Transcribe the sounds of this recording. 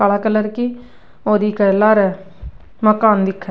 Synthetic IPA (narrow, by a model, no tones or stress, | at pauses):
aːlaːkəlːəɾkiː | oːd̪iːkəːlːaːɾɛː | məkaːnd̪ɪkʰːɛ